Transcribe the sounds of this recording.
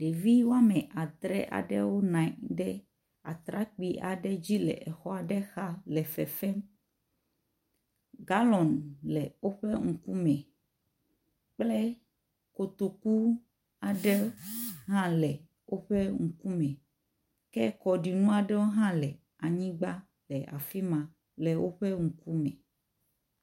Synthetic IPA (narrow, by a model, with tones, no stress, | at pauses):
ɖe˨vi˦wo˦a˦mɛ̃˨ʔa˨d̪ɾɛ̰˦ʔa̰˨ɖɛ̰˦wo˦nã˨˦ɖɛ˦ | a˨t̪ɾa˦k͡pi˦ʔa˨ɖɛ˦d͡ʑi˦lɛ̰˨ʔɛ˨xɔ˦a˨ɖɛ˦xa˦lɛ˨fɛ̰˨fɛ˦m | ɡa˦lɔ˨nlɛ˨wo˦ɸe˦ŋu˨ku˦mɛ̃˨ | k͡plɛ˦ | ko˨t̪o˨ku˦ | a˨ɖɛ˦ɦã˦lɛ˨ | wo˦ɸɛ˦ŋ̩˨ku˦mɛ̃˨ | kɛ˦kɔ˨ɖi˨nũ˦a˨ɖɛ˦wo˦ɦã˦lɛ˨ | a˨ɲĩ˦ɡ͡ba˦ | lɛ˨ʔa̰˨fi˦mã˨ | lɛ˨wʔo˦ɸɛ˦ŋu˨ku˦mɛ̃˨